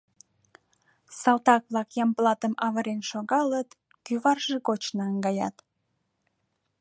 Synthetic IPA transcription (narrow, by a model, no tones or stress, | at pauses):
sɑlt̪ɑk̚βlɑkjɑmplɑt̪əmɑβəɾenʃoɣɑlət̪ | kyβɑrʒekot͡ɕnɑəŋɡɑjɑ̰t̪